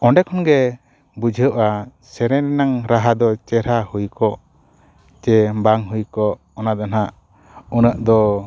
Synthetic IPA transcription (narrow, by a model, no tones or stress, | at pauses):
ɔɳɖɛkʰɔnɡɛ | bud͡ʒʱəʔasɛɾɛ̃ɾinaŋɾaɦad̪ɔt͡ʃɛɾahujkɔʔ | t͡ʃɛbaŋɦujkɔʔ | ɔnad̪anaʔ | unəʔd̪ɔ